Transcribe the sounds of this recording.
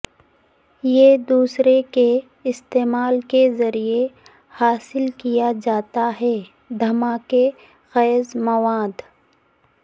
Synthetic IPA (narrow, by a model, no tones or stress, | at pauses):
jed̪uːsɾeke | ɪst̪eːmaːlkezɐɾie | haːsɪlkijad͡ʒaːt̪aɦɛː | d̪ʱɐmaːke | ɣɛːzmɐʋaːd̪